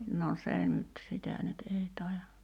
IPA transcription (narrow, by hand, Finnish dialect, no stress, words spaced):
no se nyt sitæ nyt ei tɑˑijɑ